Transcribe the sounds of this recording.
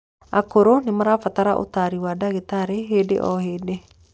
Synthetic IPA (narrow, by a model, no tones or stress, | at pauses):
akoɾonemaɾafat̪aɾaʔo̰t̪aɾiwadaɣet̪aɾeɦeːdḛʔɔ̰heːde